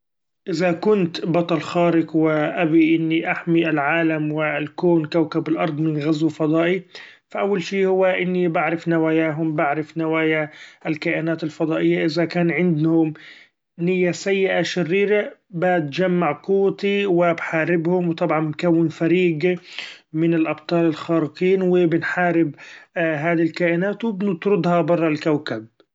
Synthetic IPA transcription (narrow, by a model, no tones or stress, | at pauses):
ʔɪzakʊnt̪bɑt̪ˤɑlxaːɾɪkwɪʔabiʔɪnːiʔaħmiʔalʕaːlamwɪlkoːnkawkabalʔɑɾˤd̪ˤmɪnɣazwɪfɑd̪ˤɑːʔi | faʔawːalʃiːhʊwːaʔɪnːibaʕɾɪfnawaːjaːɦʊmbaʕɾɪfnawaːjaɪlkaʔaːnaːt̪alfɑd̪ˤɑːʔɪjːaʔɪzakaːnʕɪnd̪hʊm | nɪjːasajːɪʔaʃɪrːiːɾabat̪d͡ʒamːaʕqʊwːt̪iwɪbħaːɾɪbhʊmwt̪ˤɑbʕɑnmkawːɪnfaɾiːɡ | mɪnɪlʔɑb̚t̪ˤɑːlɪlxɑːɾɪqiːnwɪbɪnħaːɾɪbɦaːd̪ilkaːʔɪnaːt̪wɪbnɪt̪ɾʊd̪hɑbɑrˤːɑlkawkab̚